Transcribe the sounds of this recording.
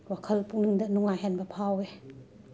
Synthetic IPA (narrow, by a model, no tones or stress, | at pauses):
wakʰəlpunɯŋd̪ənuŋaɦɛnbapʰawe